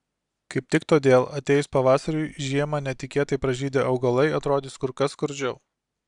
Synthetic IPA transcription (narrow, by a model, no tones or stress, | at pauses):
kɐɪp̚t̪ʲɪkt̪oːd̪ʲeːlˠɐt̪ʲeːjspɐʋɑːsɐɾʲʊɪʒʲiɛmɐnʲɛt̪ʲɪkʲeːt̪ɐɪpɾɐʒʲiːd̪ʲeːʔɐʊɡɐlˠɐɪɐt̪ɾoːd̪ʲɪːskʊɾkɐskʊɾʲd͡ʒʲɛʊ